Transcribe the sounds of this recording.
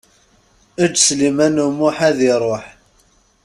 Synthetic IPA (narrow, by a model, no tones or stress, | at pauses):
æd͡ʒːslimænumuħæðiɾˤoħ